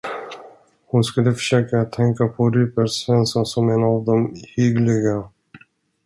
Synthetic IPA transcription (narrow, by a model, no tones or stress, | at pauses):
hʊnskɵlːəfœ̥ʂøːkat̪ʰːɛŋkapʰɔɾypɛɾsvɛnsasɔmenɑːvd̪ɔmhʏɡlɪɡa